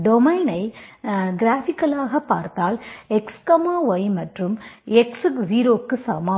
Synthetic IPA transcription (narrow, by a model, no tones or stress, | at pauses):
ɖɔmɐɪnɐɪɡɪɾaːfɪkːɐlaːɣɐpːaːɾt̪aːlɛkskɐmaːʋɐjmɐʈrɯmɛksɯkziːɾoːkːɯsɐmaː